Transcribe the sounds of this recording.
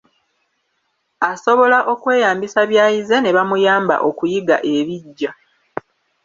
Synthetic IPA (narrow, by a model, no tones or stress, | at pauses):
aso̞βo̞laʔo̞kwe̞ːjaːmbisaβjaːjize̞ne̞βamujaːmba̰ʔo̞kujiɡa̰ʔe̞βiɟːa